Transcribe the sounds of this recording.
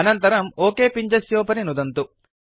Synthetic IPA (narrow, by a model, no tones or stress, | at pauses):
ɐnɐnt̪ɐɾɐmoːkeːpiɲd͡ʒɐsjoːpɐninud̪ɐnt̪u